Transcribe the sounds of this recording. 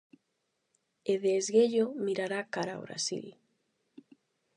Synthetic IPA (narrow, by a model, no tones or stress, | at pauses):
eðeːzɣeʎomiɾaɾakaɾa̰o̰βɾa̰sḭl